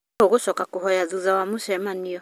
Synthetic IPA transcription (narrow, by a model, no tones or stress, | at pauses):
oɣoʃɔkakuhɔjaðuðawamuʃɛmaniɔ